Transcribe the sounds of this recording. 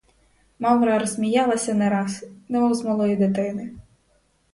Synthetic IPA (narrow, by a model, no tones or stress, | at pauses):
mɑwɾɑɾɔzmʲijɑlˠɐsʲɐnɛɾɑsnɛmuwzmɐlˠɔjid̪ɪt̪ɪnɪ